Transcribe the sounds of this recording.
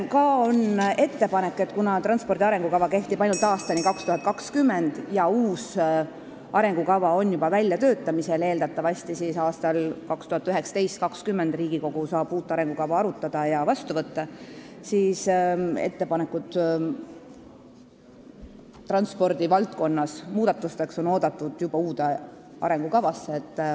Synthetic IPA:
kɑo̞ne̞t̪ːe̞pɑne̞kːˑe̞t̪ːˑkunɑt̪rɑnspo̞rd̪iɑɾe̞ŋɡ̥ukɑvɑke̞ht̪ibɑjnult̪ɑːst̪ɑnikɑkst̪uhɑt̪̚kɑkskymːe̞nd̪̥jɑuːs | ʔɑɾe̞ŋɡ̥ukɑvɑo̞nːjubɑvælʲjɑt̪ø̞ːt̪ːˑɑmise̞leːld̪̥ɑt̪ːˑɑvɑst̪isisɑːst̪ɑlkɑkst̪uhɑt̪ːyɦe̞ksɑ̥t̪e̞jst̪̚kɑkskymːe̞nd̪riːɡ̥iko̞ɡ̥usɑːb̥uːt̪ːˑɑɾe̞ŋɡ̥ukɑvɑɑɾut̪ːˑɑd̪̥ɑjɑvɑst̪uvɤt̪ːɑsiːse̞̰t̪ːe̞pɑne̞kːˑud̪̥ | t̪ːrɑnspo̞rd̪̥ivɑlt̪̚ko̞nːɑsmuːd̪̥ɑt̪ːˑust̪e̞kso̞no̞ːd̪ɑt̪ːˑud̪̥jub̥ɑuːd̪e | ɑ̰ɾe̞ŋɡukɑvɑsːeet̪ː

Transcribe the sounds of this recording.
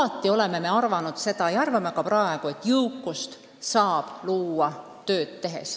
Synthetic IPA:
ɑt̪ˑːio̞le̞me̞me̞ɑrvɑnud̪̥se̞d̪̥ɑjɑɑrvɑmekɑprɑe̞ɡ̥uet̪ːjɯwkˑːust̪ | sɑːb̥luːɑ | t̪ø̞ːt̪t̪ːe̞ɦe̞̰s

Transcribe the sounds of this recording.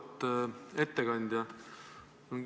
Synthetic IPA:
t̪ːe̞t̪ːeɡɑnʲd̪̥ʲjɑ | on

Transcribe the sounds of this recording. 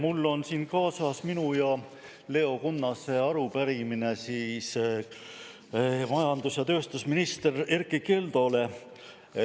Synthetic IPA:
mulːo̞nsiːnkɑːsɑsminujɑ | le̞o̞kunːɑse̞ɑɾupæɾimine̞siːs | mɑjɑnd̪̥usjɑt̪ø̞ːst̪usminist̪ererkːˑike̞ld̪o̞le̞

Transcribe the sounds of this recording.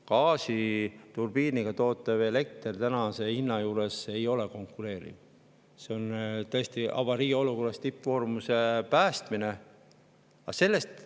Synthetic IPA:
kɑːsit̪urb̥iːniɡ̥ɑt̪o̞ːt̪ːˑɑvele̞k̚t̪ert̪ænɑse̞inːɑjuːɾe̞se̞jo̞le̞ko̞ŋkːˑuɾe̞ːɾḭv | se̞ont̪ɤest̪iʔɑ̰vɑɾiːo̞luko̞rɑst̪ipːvo̞ːrmuse̞pæːst̪mine̞ | ɑ̰se̞lːe̞st̪

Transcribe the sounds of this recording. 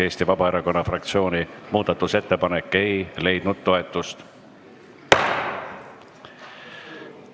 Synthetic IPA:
e̞ːsʲt̪ivɑbɑe̞ɾɑko̞nːɑfrɑkt̪sio̞ːnimuːd̪̥ɑt̪ːˑuse̞t̪ːe̞pɑnekːˑe̞jle̞jd̪̥nud̪̥t̪o̞e̞t̪ːˑust̪

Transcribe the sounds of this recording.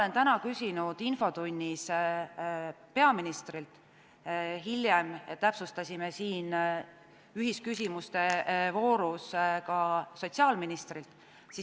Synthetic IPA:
le̞nt̪ænɑkysʲinud̪̥info̞t̪unʲːis | pe̞ɑminist̪rilt̪ | ɦilʲjemt̪æpsust̪ɑsʲimesiːn | yɦiskysʲimust̪e̞vo̞ːɾuskɑso̞tʲsiɑːlminist̪rilt̪ | si

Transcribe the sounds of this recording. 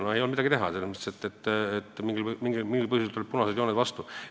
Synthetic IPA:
noejolmid̪ɑɡit̪eɦɑselmest̪e̥set̪ːet̪ːet̪ːmiŋɡilmiŋɡilmiŋɡilpɤhjuset̪ːolip̚punɑsed̪joːned̪vɑst̪u

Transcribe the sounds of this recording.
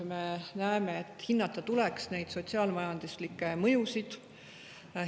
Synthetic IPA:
me̞næemeet̪ːˑhinːɑt̪ːˑɑt̪ulɛksne̞jd̪̥so̞tʲsiɑːlmɑjɑnd̪̥uslikːˑemɤjusid̪̥

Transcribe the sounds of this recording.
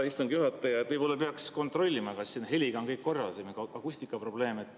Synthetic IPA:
ist̪uŋɡjuɦɑt̪ːˑɑjɑet̪vɤjpo̞lːɑpeɑksko̞nt̪ro̞lʲːimɑkɑsːiːnɦelʲiɡ̥ɑonkɤjkkːo̞rːɑlsemiɡɑkusʲt̪ikːˑɑpro̞ble̞ːmet̪ːˑ

